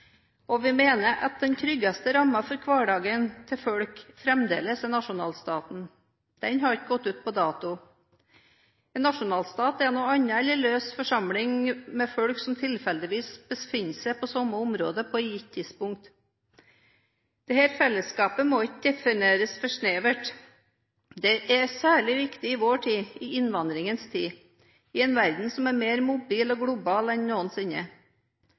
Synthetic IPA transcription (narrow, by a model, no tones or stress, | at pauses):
ɔʋɪmeːnəɾʔɑ̰t̪̚d̪ɛnt̪ʰɾʏɡːɑst̪əɾɑmːɑfɔɾkʰʋɑːɖɑːɡənt̪ʰɪfɔɽkfɾɛmd̪ḛːləsɛnɑʂʊnɑ̰ːlst̪ɑːt̪n̩ | d̪̥ɛnɦɑɾɪkɡɔt̪ːʉːt̪̚pʰɔd̪ɑːt̪ʊ | ɛnːɑʂʊnɑːlst̪ɑːt̪ɛnoːɑɲːɑɛləløːsfɔʂɑmlɪŋmɛfɔɽksɔmt̪ʰɪlfɛld̪ɪʋiːsb̥əsfɪnsɛɪpʰɔsɔmːəʊmɾo̰ːd̪əpʰɔɪjɪt̪ʰːɪd̪spʊŋk̚t̪ | d̪̥ɛhæːɾfɛlːəskɑːpəmoɪtd̪ɛfɪneːɾəsfɔʂneːʋəʈ | d̪ɛʔɛsæːɭɪʋɪkt̪ɪɪʋoːʈʰiːɪɪnʋɑnd̪ɾɪŋənst̪ʰiː | ɪɛnʋæɾd̪n̩sɔmæɾmeːɾmʊbiːlɔɡɽʊbɑːlɛnnoːənsɪnə̰